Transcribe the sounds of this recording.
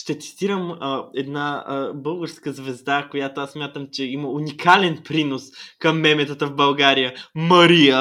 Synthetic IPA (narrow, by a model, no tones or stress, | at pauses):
ʃt̪ɛt̪si̥t̪iɾəmɛd̪nabɤlˠɡəɾskəzvɛzd̪akojat̪oasːmʲjat̪əmt͡ʃɛiməunikalɛnpɾinoskɐmːɛmɛt̪ət̪əvbɐlˠɡaɾijəmɐɾijə